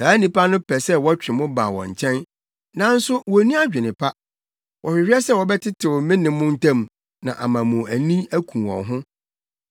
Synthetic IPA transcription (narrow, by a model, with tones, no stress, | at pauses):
saː˨˦nĩ˨pa˦nʊ̃˦pʰɛ˨sɛ˦wɔ˦t͡ɕᶣɾɪ˨mʊ̃˦ba̰ː˨wɔ̰̃˨ɲ˨t͡ɕʰɛ̃˦n | nã˨n̩˦sʊ˦wɔ˨˦nĩ˦a˦d͡ʑᶣɪ˨nɪ̃˨pʰa˦ | wʔɔ˨hɪ˨ɾi˦ɛ˦sɛ˦wɔ˨bɛ˦tʰɪ˦tʰɪ˨wʊ˨mɪ̃˦nɪ̃˨˦mʊ̃˦n̩˦tʰã˦m | nã̰˨ʔa˨mã˨mʊ̃˨æ˨nĩ˦æ˦kʰũ˨wɔ̰̃˨nɦʊ̃˦